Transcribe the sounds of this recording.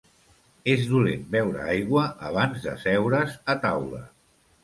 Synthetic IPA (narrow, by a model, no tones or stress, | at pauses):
ezðulḛnbɛwɾə̰ajɣwəʔə̰β̞anzðə̰sɛwɾəzət̪awlə̰